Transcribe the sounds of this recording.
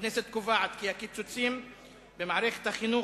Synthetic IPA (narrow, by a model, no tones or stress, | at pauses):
nɛset̪̚kuvaʕat̪kiakit͡sut͡sim | bemaʕɾeχe̥t̪haχinu